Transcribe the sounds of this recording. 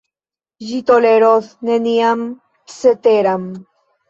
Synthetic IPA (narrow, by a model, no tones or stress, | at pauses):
ʒit̪oleɾoθneniam | set̪eɾam